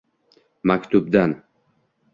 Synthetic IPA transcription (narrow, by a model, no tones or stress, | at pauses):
makʲt̪ʰʊb̚d̪an